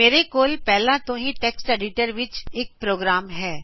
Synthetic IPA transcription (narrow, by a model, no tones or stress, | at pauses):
meːɾekoːlpɛɦlãt̪õɦĩʈeksʈɛɖɪʈəɾʋɪt͡ʃeːk̚pɾoːɡɾaːmɦɛː